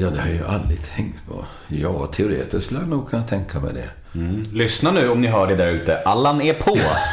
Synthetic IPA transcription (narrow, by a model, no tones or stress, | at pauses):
jɑːd̪ɛhaɾjə̰ʔalɾɪɡ̚t̪ʰɛŋt̪pʰo̰ | jɑːt̪ʰɛʊɾḛːt̪əskɵləjanuːɡ̚kʰant̪ʰɛŋkʰamɛ̰d̪ɛ̰ | lʏsnanʉ̟ːɔmnɪɦœːɖɛd̪æɾʉ̟ːt̪əʔalːanɛɾpʰɔ